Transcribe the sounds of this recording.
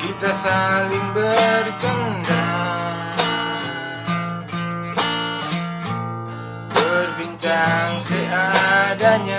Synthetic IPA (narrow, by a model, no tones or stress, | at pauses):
kit̪asaliŋbərt͡ʃəŋda | bərbiɲt͡ʃaŋsɛadaɲa